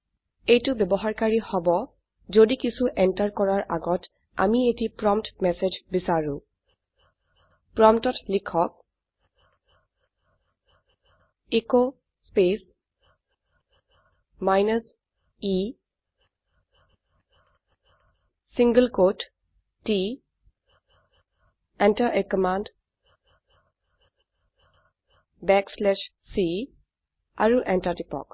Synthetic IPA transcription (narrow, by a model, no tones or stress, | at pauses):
ejtubjɛbɔɦaɹkaɹihɔbɔ | zodikisuʔɛntaɹkɔɹaɹʔa̰ɡɔt | a̰mietipɹɔmtmɛsed͡ʒbisaɹũ | pɹɔmtɔtlikʰɔk̚ | eko | spes | maɪnəs | iː | sɪ̃ŋɡəlkoːʈ | ʈi | ɛ̃ɳʈəɾʔekəmãːɳɖ | bɛkslɛʃ | si | a̰ɾuʔɛ̃nʈaɾʈipɔ̰k